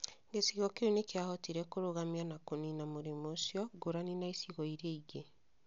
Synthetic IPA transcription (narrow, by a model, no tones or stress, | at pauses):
ŋɡesiɣɔkeonekeahɔtiɾɛkoɾoɣamianakoninamoɾemosjɔɡoɾaninaisiɣɔiɾeiɣe